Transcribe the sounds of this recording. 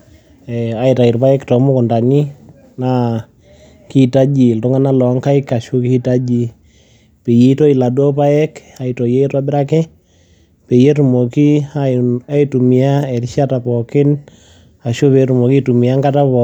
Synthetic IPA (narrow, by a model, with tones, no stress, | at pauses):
ɛ˨a˨˦ita˨i˨ɾpa˦ɛ˦ktɔ˨mo˦kʊ˨nda˨ni˦ | na˦ | ki˦ta˦d͡ʒi˨ltu˦ŋa˦na˦lɔ˨˦ŋka˦i˦ka˨ʃo˦ki˦tad͡ʒi˨ | pe˨ji˨˦tɔ˦i˨la˨dɔ˦pa˦ɛ˦ka˨itɔ˨je˦twa˦bɪ˦ɾa˦kɛ˦ | pe˨je˦tu˨mo˨ki˦aa˦i˦tu˨mi˨a˦ɛ˨ɾi˦ʃa˦ta˨pɔ˨kɪ˦n | a˨ʃo˦pe˨tu˨mo˨ki˦tu˨mi˨a˦ŋɡa˦ta˦pɔ